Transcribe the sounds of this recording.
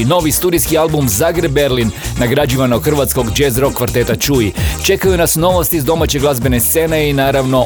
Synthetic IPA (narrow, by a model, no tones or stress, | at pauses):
no̞ʋist̪uːd̪ijskialbumzaɡɾebːe̞ɾlinːaɡɾad͡ʑiʋanoɡxr̩ʋat̪sko̞ɡd͡ʒezɾo̞kːʋaɾt̪e̞t̪at͡ʃuit͡ʃe̞kajunasno̞ʋo̞st̪izd̪o̞mat͡ɕe̞ɡlˠazbe̞ne̞st̪se̞ne̞inaːɾaʋno̞